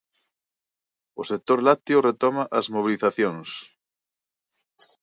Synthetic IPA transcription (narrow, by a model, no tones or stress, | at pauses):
osek̚t̪oɾlat̪joret̪ɔmaʔɐzmoβ̞iliθaθjoŋs